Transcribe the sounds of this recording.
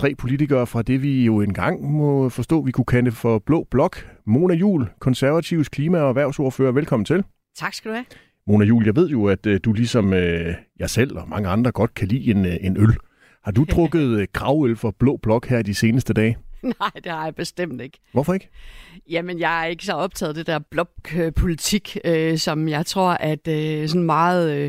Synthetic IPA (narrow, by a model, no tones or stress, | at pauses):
t͡sʰʁɛ̰ːpʰo̝lit͡sʰiɡ̥ɐːfʁɑ̈d̥e̝ʋijo̝e̝nɡ̥ɑ̈ŋ̰mɔ̽fɒ̽sd̥ɔ̰ːʋikʰukʰæləfɒ̽b̥lɔ̰̽ːb̥lɒ̽ɡ̥mo̝ːnæjṵːlkʰɒ̽nsæɐʋæt͡sʰiʊ̰kʰliːmæɒ̽æʋæɐ̰ʊsoːɐfø̰ːɐʋelkʰɒ̽m̰n̩t͡sʰe̝l | t͡sʰɑ̈ɡ̥sɡ̥æd̥uhæ | mo̝ːnæjṵːljɑ̈ɪʋe̝ð̞̰ˠjo̝æd̥d̥ulisɒ̽møjɑ̈ɪsel̰ɒ̽mɑ̈ŋəɑ̈nd̥ʁɐɡ̥ɒ̽d̥̚kʰælḭːenenøl | hɑ̈d̥ut͡sʰʁɔ̽ɡ̥ð̞̩ˠɡ̥ʁɑ̈ʊelfɐb̥lɔ̰̽ːb̥lɒ̽ɡ̥hæɐ̰d̥ise̝ːnəsd̥əd̥ɛ̰ːnɑɪ̰d̥e̝hɑ̈jɑ̈b̥e̝sd̥em̰d̥e̝ɡ̥ʋɒfɒ̽e̝ɡ̥əjæmenjɑɪæɐe̝ɡ̥əsɒɒ̽b̥̚t͡sʰɛ̰ːð̩ˠd̥e̝d̥æɐb̥lɒɡ̥̚øpʰo̝lit͡sʰiɡ̥øsɒ̽mjɑ̈ɪt͡sʰʁo̝ɐ̰ʔæd̥sɒ̽nmɑ̈ːð̩ˠ